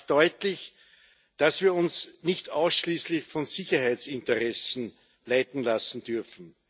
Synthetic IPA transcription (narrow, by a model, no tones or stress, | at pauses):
d̥ɔʏtlɪç | d̥asv̥iːɐʊnsnɪçtaʊsʃliːslɪçfɔnsɪçɐhæɪt͡sɪ̃ntəʁɛsn̩ | laɪtn̩lasn̩d̥ʏɐfn̩